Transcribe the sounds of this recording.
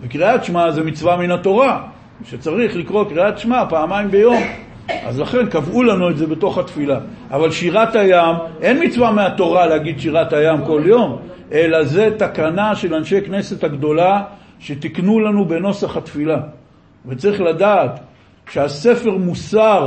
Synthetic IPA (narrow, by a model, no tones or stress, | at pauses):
vekʁiat̪ʃmazemit͡svaminat̪o̞ʁa | ʃet͡saʁiχlikʁo̞kʁiat̪ʃmapaːmaimbe̞jo̞m | ʔa̰zlaχe̞nkavʔulanue̞tze̞be̞t̪o̞χhat̪fila | ʔːvalʃiʁat̪hajamʔe̞nmit͡svameat̪o̞ʁalehaɡid̪ʃiʁat̪hajamko̞ljo̞m | ʔe̞laze̞t̪akanaʃe̞lanʃe̞jkne̞se̞t̪haɡd̪o̞la | ʃe̞t̪iknulanube̞no̞saχat̪fila | vet͡saʁiχladat̪ | ʃease̞fe̞ʁmusaʁ